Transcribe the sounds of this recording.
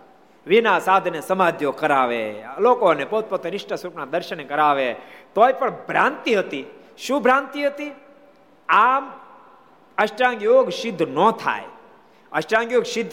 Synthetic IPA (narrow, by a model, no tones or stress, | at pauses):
ʋinaːsaːd̪ʱnesəmaːd̪ʱjokəɾaːʋḛloːkonepɐut̪̚pot̪ːnɪʃʈəsuɾpnad̪əɾʃənekəɾaːʋet̪oːipəɳbʱɾãːnt̪iɦət̪i | ʃũːbʱɾãːnt̪iɦət̪i | aːm | ɐʃʈãːŋɡjoːɡʃɪd̪ʱːnoːt̪ʰa̰ːe | ɐʃʈãːŋɡjoːɡʃɪd̪ʱː